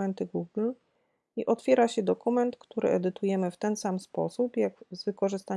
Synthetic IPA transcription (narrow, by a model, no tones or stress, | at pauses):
ɛnt̪ɘɡuɡl | iʔɔt̪fʲjɛɾaɕɛd̪ɔkumɛnt̪kt̪uɾɘ̰ʔɛd̪ɘt̪ujɛmɘft̪ɛnsamspɔ̰supjaɡzvɘkɔʐɘst̪a